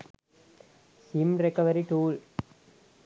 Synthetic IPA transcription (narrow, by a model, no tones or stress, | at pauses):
simɾɛkːɐʋɐɾiʈuːl